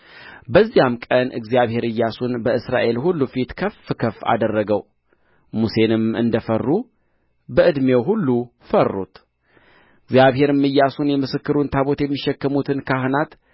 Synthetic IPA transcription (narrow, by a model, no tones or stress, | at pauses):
bəzːijamkʼənʔɨ̰ɡzijaβhe̞ɾɨjːasunbəɨsɾa̰ʔe̞lhulːufit̪kʰəfkʰəfa̰d̪ərːəɡəw | muse̞nɨmɨ̰nd̪əfərːu | bəʔɨd̪mewɦulːu | fərːṵt̪ | ɨɡzjaβhe̞ɾɨmːɨjːasunjɛmɨsɨkːɨɾunt̪ʰaβot̪jɛmːiʃɛkːəmut̪ʰɨnkʰahɨnat̪